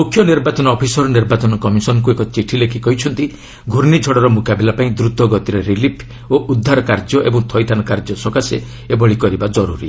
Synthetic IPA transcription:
mukʰːjɔniɾbat͡ʃɔnɔːpʰisɔɾɔniɾbat͡ʃɔnɔkɔmisɔnɔk̬uekɔt͡ʃiʈʰilekʰikɔɦit͡ʃʰɔnt̪i | ɡʱuɾnid͡ʒʱɔɽɔɾɔmukabilapaĩd̪ɾut̪ɔɡɔt̪iɾeɾilipʰ | oʔud̪ʱːaɾɔkaɾd͡ʒɔʔḛbɔŋt̪ʰɔjt̪ʰanɔkaɾd͡ʒɔsɔkasḛ | ebɔɭikɔɾibad͡ʒɔɾuɾi

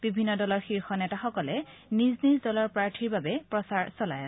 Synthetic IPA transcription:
b̥ibʱinːɔdɔlɔɹxiɹxɔnɛtaxɔkɔlɛ | niznizdɔlɔɹpɹaɹtʰiɹbabɛpɹɔsaɹsɔla̰j

